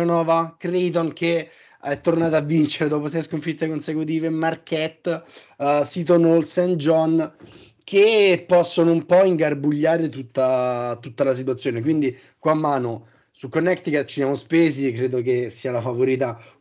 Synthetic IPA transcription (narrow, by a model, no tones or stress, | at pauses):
onɔːvakɾijt̪onke | ɛt̪ːornaːt̪avːint͡ʃeɾed̪ɔːpos̬ɛjskoɱfit̪ːekonsekut̪̬iːvemarkʰɛt̪ː | sit̪̬onolsɛnd͡ʒɔn | kʰepːɔsːonoumpɔiŋɡarbuʎːaːɾet̪ut̪ːat̪ut̪ːalas̬it̪wat̪sːjoːnek̬wind̪i | kwaːmːaːno | sukːonːɛkt̪ikat͡ʃisjamospeːzikːɾeːd̪ok̬esːiːalafavoɾiːt̪̬a